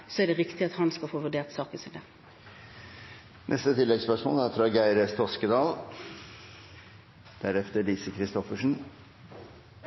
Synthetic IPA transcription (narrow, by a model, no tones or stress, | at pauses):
sɔæɖɛʁɪkt̪ɪɑt̪hɑnskɑlfoːʋʉɖeːʁt̪sɑːkəsɪld̪e | nʔɛ̰st̪ət̪ʰɪlːɛɡspœʂmo̰ːlæɾfʰɾɑɡæɪɾəst̪ʰɔskəd̪ɑːl | d̪̥æɾɛft̪əliːsəkʰɾɪst̪ɔfəʂn̩